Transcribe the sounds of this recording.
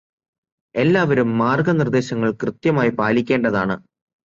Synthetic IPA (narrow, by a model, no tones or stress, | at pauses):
e̞lːaːʋɐɾumːaːrɡɐnird̪e̞ːɕɐŋːɐɭkrɨt̪jɐmaːjipaːlikʲːe̞ːɳɖɐðaːɳɨ